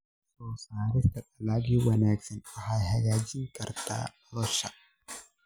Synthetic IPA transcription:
soːsaːɾɪst̪ɐᶑɐlaɡiwɐnaːksɛnɐhajhɐjaːd͡ʒɪŋkʼɐɾt̪a̰ː | ɾɔʃa

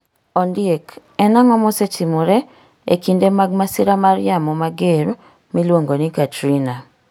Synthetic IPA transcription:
ɔndiek | ɛnaŋɔmɔset͡ʃimuɾɛ | ḛkindemaɡ̚masiɾamaɾjamɔmaɡeɾ | milwoŋɡonikatɾina

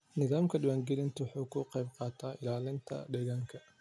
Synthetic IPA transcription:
nɪðaːmkʰɐɖɪwaːŋɡɛlɪnt̪ʰɐwħuːkʰʊqɛjbqɑːt̪ʰaːʔɪ̰laːlɪnt̪ʰɐ̰ɖɛːɣaːŋkʰɐ

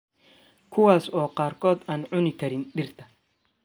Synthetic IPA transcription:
kʰʊwɑːsɔːqɑːrkʰɔːd̪aːnʕʊnɪkʰɐɾɪnɖɪrt̪ʰɐ

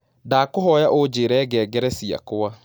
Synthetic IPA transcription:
daːkʊɦɔjaʔod͡ʒeːɾɛːɡɛːɡɛɾɛsia̰kʊwa

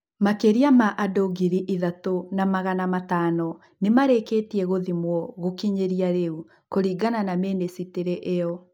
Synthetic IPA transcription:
makeɾiamaʔadoɡiɾiʔiðatonamaɣanamataːnɔ | nemaɾeketiɛɣoðimwɔɣokiɲeɾiaɾeu | koɾiɡananameːnesiteɾeʔeɔ

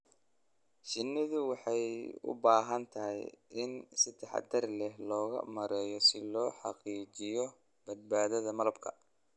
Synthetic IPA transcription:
ʃɪnːɪðʊwɑħɑjʊ̰baːɦɐnt̪ʰɐɦɪ̰jʔɪnsɪd̪ɛħɑ̰d̪ɐrlɛɦlɔːɣɐ̰mɐɾɛːjɔsɪlɔːħɑ̰qiːt͡ʃɪjɔ | b̥ɐd̪̚baːðɐðɐmɐlɐbkʰɐ̰

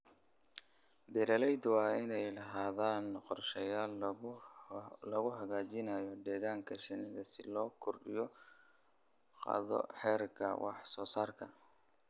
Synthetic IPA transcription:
d̪ɛɾɐlɛjd̪wɑːɪnɛjlɐɦaːðaːnqɔrʃɛjaːl | lɔɣʊɦɐɣaːt͡ʃɪnɐjɔd̪ɛːɣaːŋkʰɐʃɪnɪðɐsɪlɔːkʰʊrɖɪ̰jɔ | qɑ̰ːðɔ̰ħɛːrkʰɐ̰wʔɑ̰ħsɔːsaːrkʰɐ

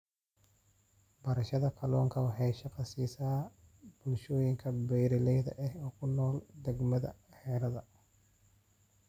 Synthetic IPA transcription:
bɐɾɐʃɐðɐkʰɐlɔːŋkʰɐwɑħɑjʃɐqɑsiːsaː | b̥ʊlʃɔːjɪŋkʰɐbɛjɾɪlɛjðɐ̰ʔɛhɔːkʰʊnɔːld̪ɛɡmɐðɐ̰ħɛːɾɐðɐ

